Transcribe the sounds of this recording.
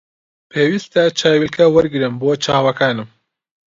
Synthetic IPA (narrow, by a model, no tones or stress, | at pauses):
pʰeːwist̪ɐt͡ʃʰaːwilkʰɐwɐɾɡɨɾɨmboːt͡ʃʰaːwɐkʰaːnɨm